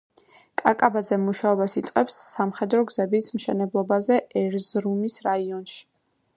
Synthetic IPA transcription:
kʼakʼabad̪zɛmuʃaɔbasit̪sʼqʼɛpsːamχɛd̪ɾɔɡzɛbismʃɛnɛblˠɔbazɛɛɾzɾumisɾaiɔnʃi̥

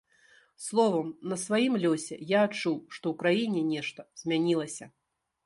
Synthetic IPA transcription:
slˠɔvɐmnɐsvajimlʲɔsʲɛ̰jaːt͡ʂuwʂt̪ɔwkɾajinʲɛnʲɛʂt̪ɐz̥ʲmʲanʲilˠɐsʲɐ

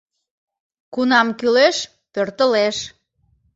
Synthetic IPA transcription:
kunɑmkyleʃ | pørt̪əleʃ

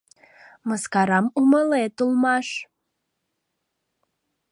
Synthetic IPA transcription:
məskɑɾɑmuməlet̪ulˠmɑʃ

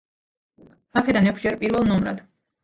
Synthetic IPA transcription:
akʰɛd̪anɛkʰd͡ʒɛɾpʼiɾvɛlˠnɔmɾa̰d̪̥

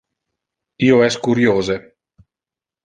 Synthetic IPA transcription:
iːoɛskuɾjoːze

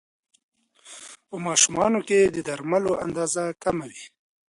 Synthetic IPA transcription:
pəmɑʃumɑnoked̪əd̪aɾmaloʔa̰nd̪ɑzakamawi

